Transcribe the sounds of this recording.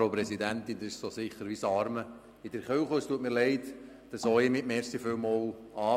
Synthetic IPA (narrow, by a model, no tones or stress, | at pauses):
opɾɛsidænt̪ɪnd̪ɪʃsosɪχəɾʋisɑɾmə | ɪd̥əɾχøwχostuətmɪːɾlɛɪt | d̥ɑsoːemɪmɛːɾsiføwmɔl | ɑː